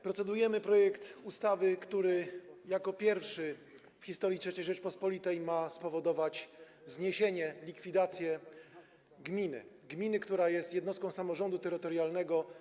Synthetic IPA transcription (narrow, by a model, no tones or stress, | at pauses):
pɾɔt̪sɛd̪ujɛmɘpɾɔjɛkt̪ust̪avɘkt̪uɾɘjakɔpʲjɛɾfʂɘ | fxʲist̪ɔɾjitʂɛt͡ɕɛjʐɛt͡ʂpɔspɔlʲit̪ɛjmaspɔvɔd̪ɔvat͡ɕ | zɲeɕeɲɛlʲikfʲid̪at̪sʲjɛ | ɡmʲinɘ̰ | ɡmʲinɘkt̪uɾajɛst̪jɛd̪nɔst̪kɔ̃w̃samɔʐɔnd̪ut̪ɛɾɘt̪ɔɾjalnɛɡɔ